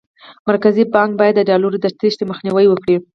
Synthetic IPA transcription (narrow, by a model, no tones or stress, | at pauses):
maɾkazibɑŋk̚bɑjad̪ːəɖɑloɾd̪əɾt̪iʃd̪əməxniwəjwəkɽi